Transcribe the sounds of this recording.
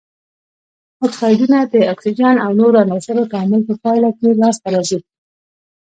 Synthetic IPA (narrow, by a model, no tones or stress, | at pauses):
muɡxɑjɖunad̪əaksid͡ʒɑnawnoɾanasaɾok̪ɑmɪlpəpɑjlakelɑst̪aɾɑsi